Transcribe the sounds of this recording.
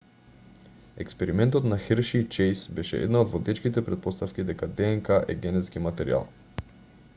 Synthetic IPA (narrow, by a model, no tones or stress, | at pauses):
ɛkspɛɾimɛnt̪ot̪naxəɾʃit͡ʃɛjsbɛʃɛ̰ʔɛ̰d̪naod̪vod̪ɛt͡ʃkit̪ɛpɾɛt̪̚pɔst̪afk̟id̪ɛkad̪ɛɛŋkaʔɛ̰ɡʲɛnɛt̪sk̟imat̪ɛɾḭa̰lˠ